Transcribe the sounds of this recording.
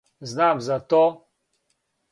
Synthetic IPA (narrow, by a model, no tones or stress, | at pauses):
znaːmzat̪oː